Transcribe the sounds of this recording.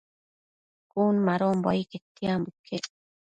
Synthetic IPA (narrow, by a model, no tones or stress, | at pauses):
kʼuːnmaɾoːmbɔ̰jket̪ːijambukʰːe